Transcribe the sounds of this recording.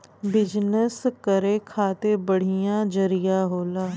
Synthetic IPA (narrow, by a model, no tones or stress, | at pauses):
bɪd͡ʒnəskəɾeːkʰaːt̪eːbəɽ̤ijãːd͡ʒəɾɪjaːɦoːlaː